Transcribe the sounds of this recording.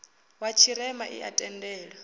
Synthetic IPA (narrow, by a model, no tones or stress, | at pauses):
wat͡ʃʰiɾɛmaʔḭʔa̰tʼɛndɛːɺa